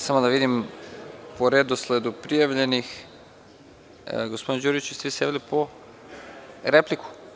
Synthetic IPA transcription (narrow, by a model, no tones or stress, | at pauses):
samod̪aʋid̪im | poɾed̪osled̪upɾijaʋʎenix | ɡospo̞d̪ind͡ʒuɾit͡ʃist̪ʋiːsjeʋilipo | ɾepliku̥